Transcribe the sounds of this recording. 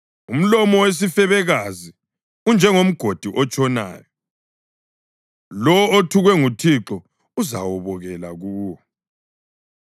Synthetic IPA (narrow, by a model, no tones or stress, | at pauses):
um̩lɔmɔwes̬ifɛβɛɣazi | und͡ʒʱɛŋom̩ɡ̥ʱod̥ʱiʔɔt͡ʃʼɔna̰ːjɔ | lɔotʰuɣwɛŋutʰiǁɔ | uza̰wɔβɔɣɛla̰ɣuːwɔ